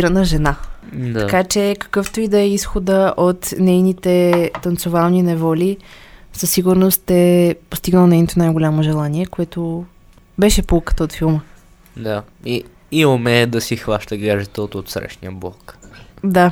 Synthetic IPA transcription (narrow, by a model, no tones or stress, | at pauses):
iɾənəʒɛnadt̪ɐkat͡ʃɛkə̥kɤft̪oid̪ɛɛisxod̪əʔot̪nɛjnit̪ɛt̪ɐnt̪sovalˠninɛvɔlisəsːiɡʊɾnost̪ɛpost̪iɡnəlˠnɛjnot̪onajɡolʲamoʒɛlˠaniɛkoɛt̪o | bɛʃɛpulˠkə̥t̪əot̪filˠmə | d̪aiː | omɛd̪ɐsixvaʃt̪əɡaʒɛt̪əot̪ot̪sɾɛ̰ʃnḭəblˠɔ̰kd̪a